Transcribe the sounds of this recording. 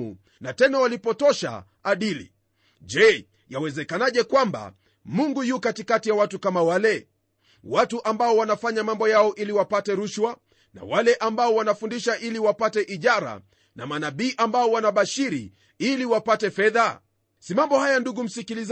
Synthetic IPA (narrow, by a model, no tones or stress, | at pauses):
ṵ | natɛnawalipɔtɔʃa̰ː | ɗilḭ | ʄɛ | jawɛzɛkanaʄɛkwamba̰ | muŋɡujukatikatijawatukamawalɛ | watuʔambaɔwanafaɲamambɔjaɔʔiliwapatɛɾuʃwa | na̰walɛʔambaɔwanafundiʃaʔiliwapatɛʔiʄaɾa̰ | na̰manaɓiːʔambaɔwanaɓaʃiɾi | iliwapatɛfɛða | simambɔhajanduɡum̩sikiliz